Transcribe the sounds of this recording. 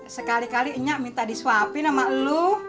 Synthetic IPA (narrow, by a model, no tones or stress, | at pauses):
səkalikaliəɲaʔmint̪adiswapinamalu